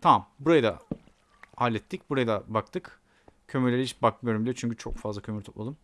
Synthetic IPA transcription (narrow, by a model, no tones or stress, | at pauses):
t̪ʰamambuɾajɯd̪a̰ | halʲːɛt̪ʰːic̚buɾajɯd̪abakt̪ʰɯk | kʰø̞myɾlʲeɾiit͡ʃbakmijoɾumbilʲt͡ʃʰyɲcʰyt͡ʃʰo̞̰kfazˠacʰø̞myɾt̪ʰopmˠalˠɯm